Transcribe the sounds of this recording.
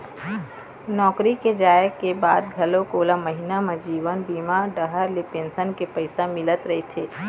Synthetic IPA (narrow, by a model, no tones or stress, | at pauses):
nɔːkɾiked͡ʒaːjəkːebaːd̪ɡʱɐlõkoːlaməɦinamẽd͡ʒiːʋənbiːmaːɖəɦəɾlepẽːnsənkepəɪsamɪlət̪ɾɐɦet̪ʰeː